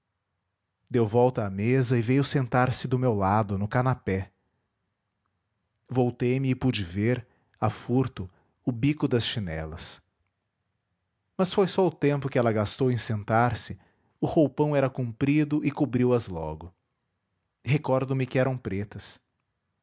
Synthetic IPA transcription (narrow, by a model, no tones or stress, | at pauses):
d̪ewvɔwt̪ɐːmezɐɪvejʊsẽnt̪aɾsɪd̪ʊmewlad̪ʊnʊkanapɛ | vowt̪ejmɪːpud͡ʒɪveɾ | afuɾt̪ʊ | ʊbikʊd̪ɐsʃinɛ̰lɐs | mɐsfojsɔʊt̪ẽmpʊkɪɛlɐɡast̪owẽsẽnt̪aɾsɪ | ʊhowpɐ̃w̃ɛɾɐkũmpɾid̪ʊʔɪkubɾiwɐzlɔ̰ɡʊ | hekɔɾd̪ʊ̃mɪkɪɛɾɐ̃w̃pɾet̪ɐs